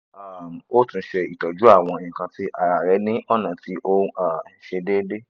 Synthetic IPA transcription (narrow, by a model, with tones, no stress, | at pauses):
a˨m˨o˦tũ˧˦ʃe˧i˨tɔ˨d͡ʒu˨˦a˦˨w̃ɔ̃˧ĩ˨kã˧ti˦ʔa˨ɾa˨ɾɛ˨˦nĩ˦ʔɔ˦nã˨ti˨˦ʔo˦a˦˨ʃe˧de˦de˦